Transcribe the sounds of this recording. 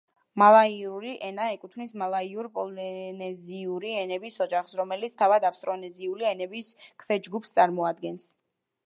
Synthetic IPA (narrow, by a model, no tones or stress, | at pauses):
malˠaiuɾiʔɛnaɛkʼut̪ʰvmnismalˠaiuɾpʼɔlnɛziuɾiɛnɛbisɔd͡ʒaχsɾɔmɛlit̪sʰt̪ʰavad̪afst̪ʼɾɔnɛziuliɛnɛbiskʰvɛd͡ʒɡupʰst̪sʼaɾmɔad̪ɡɛns